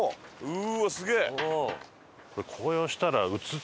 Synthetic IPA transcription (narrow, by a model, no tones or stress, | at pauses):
ɯ̟sɨɡʲe̞ː | ko̞ɾekʰo̞ːjoːɕi̥t̪aɾaɯ̟t͡sɨ